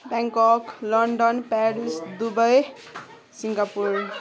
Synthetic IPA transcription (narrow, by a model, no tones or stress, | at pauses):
baŋkɔklʌɳɖʌnpaɾisd̪ubʌj | siŋɡapuɾ